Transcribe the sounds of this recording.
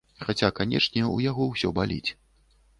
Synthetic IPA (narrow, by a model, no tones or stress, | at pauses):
xat͡sʲakanʲɛ̰t͡ʂnʲɛṵjaɣɔwsʲɔbalʲḭt͡sʲ